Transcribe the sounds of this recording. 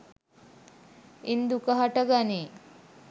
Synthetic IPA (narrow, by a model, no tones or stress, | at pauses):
ind̪ukəɦɐʈɐɡani